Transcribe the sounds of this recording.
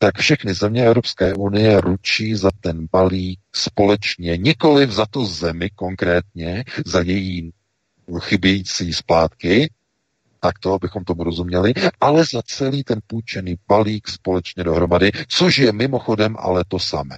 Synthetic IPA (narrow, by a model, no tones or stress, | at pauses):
t̪akfʃɛxnɪzɛmɲɛɛvɾo̞pskɛːʔunɪjɛɾut͡ʃiːzat̪ɛnbaliːk̚spo̞lɛt͡ʃɲɛɲɪko̞lɪvzat̪uzɛmɪko̞ŋkɾɛːt̪ɲɛzajɛjiː | xɪbjɛjiːt͡siːspaːt̪kɪ | t̪akt̪o̞abɪxo̞mt̪o̞muɾo̞zumɲɛlɪʔalɛzat͡sɛliːt̪ɛnpuːt͡ʃɛniːb̥aliːkspo̞lɛt͡ʃɲɛdo̞ɦɾo̞madɪt͡so̞ʃjɛmɪmo̞xo̞dɛmʔa̰lɛt̪o̞samɛ̰ː